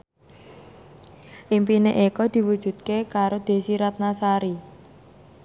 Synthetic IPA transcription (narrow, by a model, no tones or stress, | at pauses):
ʔimpineʔekɔd̪̥i̤wud̥ʒ̥ṳd̪̚kekaɾod̪̥e̤siɾat̪̚nasaɾi